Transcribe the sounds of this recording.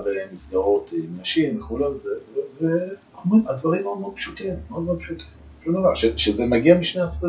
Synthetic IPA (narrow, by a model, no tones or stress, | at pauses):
veʁimːisdaʁo̞t̪naʃimveχulamzeveve | omimad̪vaʁimod̪mod̪̚pʃut̪imod̪mod̪pʃut̪im | ʃud̪avaʃeʃezemaɡiamiʃnejasde